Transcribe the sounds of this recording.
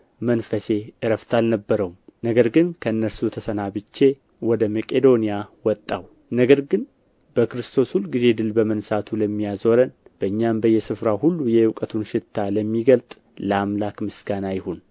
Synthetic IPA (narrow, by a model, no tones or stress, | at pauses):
mənfəse̞ʔɨɾəft̪ʰalnəbːəɾəwumnəɡəɾɡɨnkʰəɨnːəɾsut̪ʰəsənabɨt͡ʃːe̞ | wɔd̪əməkʼe̞d̪o̞nijawɔt̪ʼːaw | nəɡəɾɡɨn | bəkɾɨst̪ʰo̞sulɡize̞d̪ɨlbəmənsat̪ʰuləmːijazoɾənb̥əɨɲːambəjɛsɨfɾahulːujɛɨwkʼət̪ʰunʃɪt̪ʰːaləmːiɡəlt̪ʼ | ləamlakmɨsɡanajɪhon